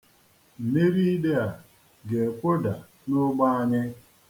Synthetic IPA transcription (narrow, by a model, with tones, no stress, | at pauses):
m̩˨me˦ɾi˦i˦de˦a˨ | ɡe˨kʷo˦da˨ | nʊ˦ɡ͡ba˦a˦ɲɪ˦